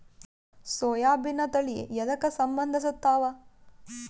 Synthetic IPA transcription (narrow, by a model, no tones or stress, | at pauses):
soːjaːbʱinːɐt̪ɐɭijḛjɐd̪ɐkɐsɐmbɐnd̪ʱɐs̬ut̪ːaːʋɐ